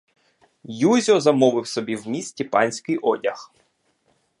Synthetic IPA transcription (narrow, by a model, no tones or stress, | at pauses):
juzʲɔzɐmɔʋɪwsɔbʲiwmʲisʲtʲipɑnʲsʲkɪjʔɔdʲɐx